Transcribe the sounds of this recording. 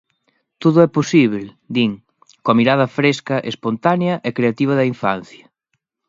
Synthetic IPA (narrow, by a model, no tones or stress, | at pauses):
t̪oðʊɛposiβl | d̪iŋ | koɐmiɾað̞ɐfɾeskɐʔespont̪aneɐʔɛkɾeat̪iβ̞ɐðɐiɱfan̟θjɐ